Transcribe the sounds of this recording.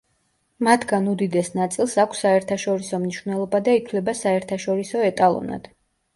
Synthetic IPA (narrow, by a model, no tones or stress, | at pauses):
mat̪ʰɡanud̪id̪ɛsnat̪sʼilˠsakʷʰsːaɛɾt̪ʰaʃɔɾisɔmniʃwvnɛlˠɔbad̪ait̪ʰlɛbasaɛɾt̪ʰaʃɔɾisɔɛt̪ʼalˠɔ̰na̰d̪̥